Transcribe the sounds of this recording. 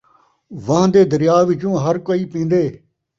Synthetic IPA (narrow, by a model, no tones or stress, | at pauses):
ʋãd̪eːd̪əɾɪjaːʋɪt͡ʃũːɦəɾkoiːpĩːnd̪eː